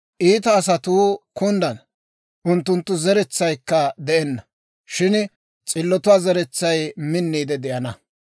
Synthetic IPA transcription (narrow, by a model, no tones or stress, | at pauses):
ʔiːt̪ɐːs̬ɐt̪uːkʊnd̪ɐn | ʔʊnt̪ːʊnt̪ːʊzɛɾɛt͡sːɐjkːɐd̪ɛʔɛnːɐ | ʃɪn | t͡sʼɪlːɔt̪ʊwaːzɛɾɛt͡sːɐjmɪnːiːd̪ɛd̪ɪʔɐnɐ